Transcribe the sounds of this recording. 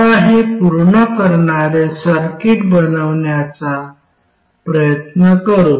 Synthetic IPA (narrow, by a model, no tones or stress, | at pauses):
aɦepuɾɳəkəɾɳaɾesəɾkiʈbənəʋɳjat͡sa | pɾəjət̪nəkəɾu